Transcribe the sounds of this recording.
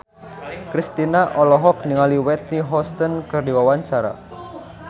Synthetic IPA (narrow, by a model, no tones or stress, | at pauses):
kɾist̪inaʔɔlɔɦɔk̚niŋaliwɛt̪̚niɦɔst̪ɔnkɨrdiwawaɲt͡ʃaɾa̰